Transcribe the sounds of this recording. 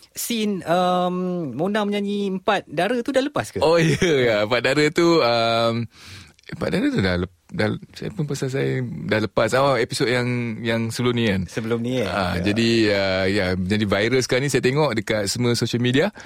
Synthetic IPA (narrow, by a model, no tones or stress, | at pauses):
sinəmmə̃undaŋməɲãɲiəmpat̪̚daɾət̪udahləpaskaojəəjaəmpat̪̚daɾət̪uəm | əmpat̪̚daɾət̪udahlə | dahlsa̰ja̰punpəsas̬ajdahləpasawaepisod̚jaŋjaŋsəbəlumnĩkansəbəlumnḭ̃ʔa̰d͡ʒadiəjaməɲãnivajɾəskanĩsajat̪̬eŋɔʔdəkat̪̚səmwə̃soʃəlmidia